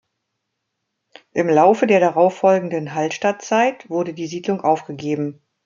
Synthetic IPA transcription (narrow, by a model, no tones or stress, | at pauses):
ʔɪmlaʊfədeːɐɾaʁaʊfɔlɡŋ̩dənɦaltʃtat̚t͡saɪtv̥ʊɐdədiːziːdlʊŋʔaʊfɡ̥əɡeːbm̩